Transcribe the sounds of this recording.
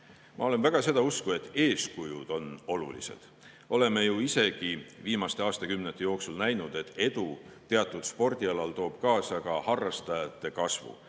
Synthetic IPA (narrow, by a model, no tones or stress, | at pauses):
mʔɑ̰o̞le̞nvæɡ̥ɑse̞d̪̥ɑuskue̞t̪ːe̞ːskujud̪̥o̞no̞lṵlḭse̞̰d̪̥ | o̞le̞me̞juise̞ɡ̥iviːmɑst̪e̞ɑːst̪ɑkymnet̪ːˑe̞jo̞ːksulnæjnud̪̥e̞t̪ːˑe̞d̪̥ut̪e̞ɑt̪ːˑud̪̥spo̞rd̪̥iɑlɑlt̪o̞ːb̥kɑːsɑkɑhɑrːɑst̪ɑjɑt̪ˑːe̞kɑsvṵ